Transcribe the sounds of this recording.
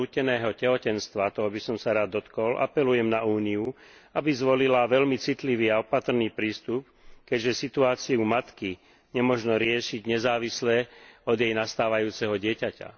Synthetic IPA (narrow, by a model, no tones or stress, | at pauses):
uːcɛnɛːɦɔcɛɦɔcɛnst̪ʋat̪ɔɦɔbisɔmsaɾaːd̪ːɔt̪kɔlʔa̰pɛlujɛmnauːniuabizʋɔlilaʋɛlmit͡sit̪liʋiːaɔpat̪r̩niːpɾiːst̪up̚ | kɛɟʒɛsit̪uaːt͡siumat̪ki | ɲɛmɔʒnɔɾɪɛʃiɟɲɛzaːʋislɛɔd̪jɛjnast̪aːʋajuːt͡sɛɦɔɟɪɛcaca̰